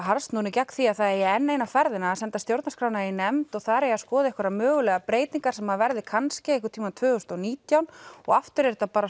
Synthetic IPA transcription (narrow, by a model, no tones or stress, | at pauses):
ɦaɾst̪nuːnɪcakθiaðθaðɛɾjɛɛnːeːjnafɛɾðɪnaːðsɛnt̪ast̪jowɾt̪naskɾaːwnainɛmt̪ɔɣθaːɾɛjaskɔːðɪɛhkvɛɾamœːɣʏlɛːɣapɾeːjt̪niŋkaɾ̥sɛmhaðvɛɾðɪkʰanscɪɛhkʏɾt̪ʰiːmant̪v̥ʏːɣʏst̪ɔniːt̪jawnɔɣaft̪ʏɾɛɾt̪apaːɾa